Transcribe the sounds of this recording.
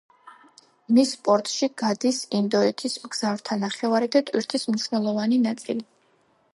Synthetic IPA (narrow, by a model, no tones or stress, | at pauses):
mispʼɔɾt̪ʼʃiɡ̥ad̪isind̪ɔɛt̪ʰismɡz̥avɾt̪ʰanaχɛvaɾɛd̪at̪ʼwiɾt̪ʰismniʃwnɛlˠɔvaninat̪sʼḭli